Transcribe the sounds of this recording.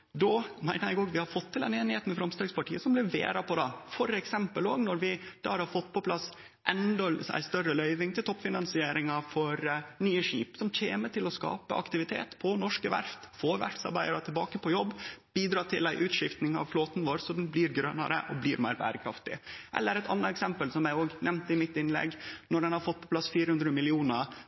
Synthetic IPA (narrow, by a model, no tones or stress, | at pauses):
d̪ɔmæɪnəɾjɛɡoːɡʋɪhɑɾfɔt̪ʰːɪlɛneːnɪheːt̪nmɛfɾɑmst̪ɑːɡspɑʈʰiːəsɔmblɪɾʋḛːɾɑpʰɔd̪ɑfɔɾɛksɛmpəloːɡnɔɾʋɪd̪̥ɑ̰ːhɾhɑɾfɔt̪ːpʰɔpʰlɑs | ʔɛnd̪ɑæ̰ɪst̪œrəlœʏʋɪŋt̪ʰɪlt̪ɔpːfɪnɑnsɪeːɾɪŋɑfɔɾnyːəʂḭːpsɔmc͡çʰeːməʈɪlɔskɑ̰ːpə̰ɑ̰kt̪ɪʋɪt̪ʰḛːt̪pʰɔnɔʂkəʋæ̰ɾft̪foːʋæ̰ɾt̪sɑ̰ɾbæɪɑɾɑt̪ʰɪlbɑːkəpʰɔjɔbːb̥iːd̪ɾɑːʈ̪ʰɪlæɪʔʉːt̪ʂɪft̪nɪŋɑ̰ʋfloːt̪nʋoːɾsɔd̪ɛnbliːɾɡɾœnɑ̰ɾə̰ʔɔbliːɾmæ̰ɪɾbæ̰ːɾəkʰɾɑft̪ɪ̰ʔɛ̰lːəɾɛt̪ʰɑ̰nːəɛksɛmpəlsɔmjæɪoːɡnɛmnt̪ɪmɪt̪ːɪnlɛ̰ɡnɔɖɛnhɑɾfɔt̪̚ːpʰɔ̥pʰlɑsfiːɾəhʉnd̪ɾəmɪlɪuːnəɾ